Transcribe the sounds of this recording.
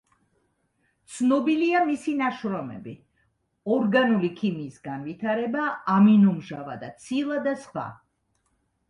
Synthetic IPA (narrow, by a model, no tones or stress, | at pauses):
t̪sʰnɔbiliamisinaʃɾɔmɛ̰bi | ɔɾɡanulikʰimiːsɡanvit̪ʰaɾɛbaːminumʒava̰d̪at̪sʰilˠad̪asχwa̰